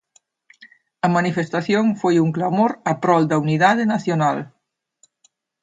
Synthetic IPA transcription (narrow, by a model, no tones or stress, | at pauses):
ɐmanifest̪aθjoŋfojuŋklamoɾɐpɾɔld̪ɐuniðaðɪnaθjonal